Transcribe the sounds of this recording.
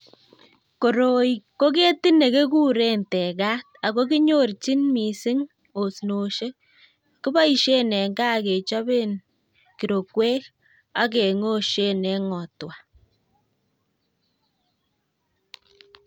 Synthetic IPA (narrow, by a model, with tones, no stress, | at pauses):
ko˨ɾo˨iko˦k̬e˦ti˦ne˨ke˦ku˦ɾe˦ntɛ˨ka˦t̚a˨ko˦ki˦ɲo˦rt͡ʃi˦nmi˨sɪ˦ŋ | o˨sno˨ʃe˦ | ki˦ba˦i˨ʃe˦nɛ˨ŋɡa˦ke˨t͡ʃa˦be˦n | ki˨ɾo˨kwe˦k | a˦ke˨ŋo˦ʃe˦nɛ˦ŋɔ˨twa˨